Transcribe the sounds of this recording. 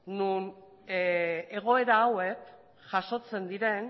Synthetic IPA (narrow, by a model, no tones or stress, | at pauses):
nun | eɣ̞o̞e̞ɾaːwe̞k | ʝaʃo̞t͡se̞nd̪iɾe̞n